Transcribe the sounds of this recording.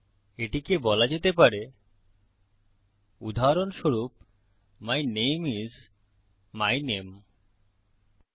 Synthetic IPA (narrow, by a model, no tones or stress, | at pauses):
eʈikebɔlad͡ʑet̪ep̬aɾe | ud̪ʱaɾonʃoɾup | majnemiz | majnem